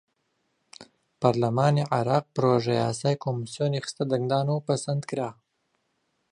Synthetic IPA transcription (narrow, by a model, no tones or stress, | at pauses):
pɑɾlamɑneʕaɾɑq̚pɾoʒajɑsɑjkomisjonexst̪ad̪aŋɡd̪ɑːnopasand̪kiɾɑ